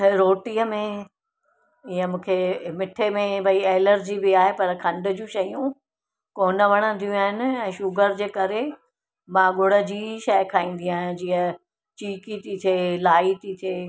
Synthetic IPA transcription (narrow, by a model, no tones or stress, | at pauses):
ɾoːʈiːəmẽ | ɪjəmũːkʰemɪʈʰemẽbɐieːləɾd͡ʑibɪaːɦepɐɾkʰɐ̃ɳɖʊ̆d͡ʑũʃɐijũ | koːnəʋɐɽ̃ə̃nd̪ʰʱijũaːɦɪnɪ̆ɛ̃ːʃʊɡəɾd͡ʑeːkɐɾe | mãɠʊɽ̤ə̆d͡ʑiːʃɐɪkʰaːĩːn̆d̪ĩaːɦɪ̃d͡ʑiːə | t͡ɕiːkit̪ʰit̪ʰeːlaːit̪ʰit̪ʰeː